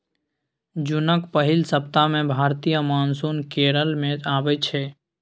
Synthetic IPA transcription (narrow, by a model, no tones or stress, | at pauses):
d͡ʒʊnəkpəɦilsəpt̪amẽbʱaɾt̪ijəmaːnsunkeɾəlmẽaːbɛt͡ʃʰɛ